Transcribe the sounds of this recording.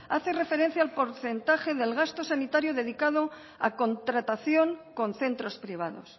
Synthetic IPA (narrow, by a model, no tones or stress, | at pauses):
aθe̞re̞fe̞ɾe̞n̟θjaːlpo̞ɾθe̞nt̪axe̞ðe̞lɣast̪o̞sanit̪aɾjoðe̞ð̞ikað̞o | a̰ko̞nt̪ɾat̪aθjo̞ŋko̞nθe̞nt̪ɾo̞spɾiβ̞aðo̞̰s